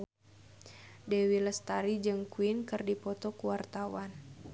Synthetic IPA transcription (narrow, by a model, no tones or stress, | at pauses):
dɛwiləst̪aɾid͡ʒɨŋkuinkɨrdipɔt̪ɔkuwart̪awan